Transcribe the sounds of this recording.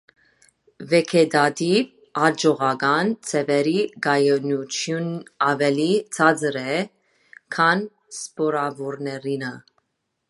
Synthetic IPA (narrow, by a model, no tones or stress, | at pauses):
vɛkʰɛd̪ɑd̪iv | ɑd͡ʒɔʁɑɡɑnt͡sʰɛvɛɾiɡɑjɔnut͡ʃʰjunɑvɛlit͡sʰɑd͡zɾɛ | kʰɑn | spɔɾɑvɔɾnɛɾinə